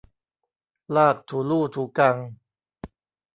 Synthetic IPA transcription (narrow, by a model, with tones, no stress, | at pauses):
laː˥˩k̚t̪ʰuː˨˩˦luː˥˩t̪ʰuː˨˦ka˧ŋ